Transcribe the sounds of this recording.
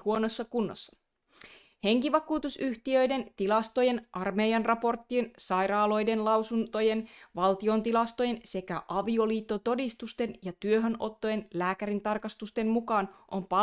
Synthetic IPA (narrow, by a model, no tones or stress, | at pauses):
huonosːɑkunːo̰sːɑ̥ | he̞ŋkiʋɑkuːt̪usyht̪iø̞jde̞nt̪ilɑst̪o̞je̞nʔɑrmejɑnrɑpo̞rt̪ːinsɑjɾɑːlo̞jde̞nlɑwsunt̪o̞je̞nʋɑlt̪io̞nt̪ilɑst̪o̞je̞nse̞kæʔɑʋio̞liːt̪ːo̞t̪o̞dist̪ust̪e̞njɑt̪yøɦønʔo̞t̪ːo̞jenlæːkæɾint̪ɑrkɑst̪ust̪e̞mmukɑːnʔo̞mpɑ